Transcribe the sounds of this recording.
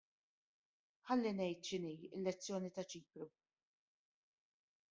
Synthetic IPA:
ħɐlːinɛjt̪ʃɪniːɪ̰lːɛt͡sːjɔːnit̪ɐt͡ʃiːpɾu

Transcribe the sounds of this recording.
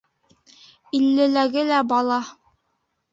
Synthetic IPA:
ilːɘ̆læɡɘlæbɑlˠɑ

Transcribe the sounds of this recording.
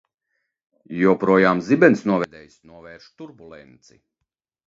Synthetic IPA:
juɔpɾuɔjaːmzibɛnsnuɔvɛd̪ɛjsnuɔvɛːɾʃt̪uɾbulˠɛnt̪sḭ

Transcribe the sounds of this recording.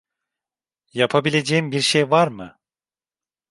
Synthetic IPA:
japʰabilʲe̞d͡ʒeːimbiɾʃejvaɾmɯ

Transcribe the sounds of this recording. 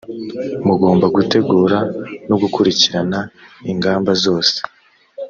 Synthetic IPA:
muɡo̞ːmbaɡute̞ɡuːɾanoɡukuɾiciɾanaiŋɡaːmbazo̞ːse̥

